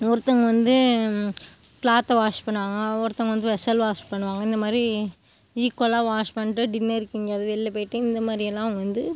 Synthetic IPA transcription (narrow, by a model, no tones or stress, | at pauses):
ɔɾɯt̪ːɐŋɡɐʋɐnd̪ɯ | pɭaːt̪ːɐʋaːʂpɐɳːɯʋaːŋɡɐɔɾɯt̪ːɐŋɡɐʋɐnd̪ɯʋɛsɐlʋaːʂpɐɳːɯʋaːŋɡɐɪnd̪ɐmaːd̪ɾi | iːkːolaːʋaːʂpɐɳːɪʈːɯɖɪnːɐɪɾɯkːɪŋɡɐɾɐðɯʋɛɭːɛpɐːjɪʈːɯɪnd̪ɐmaːd̪ɾɪjɛlːãːʋɐnd̪ɯ